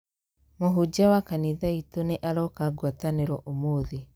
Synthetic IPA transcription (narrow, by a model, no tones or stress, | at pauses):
moɦud͡ʒawakaniðaitoneʔaɾɔkaɡwataneɾɔʔomoðe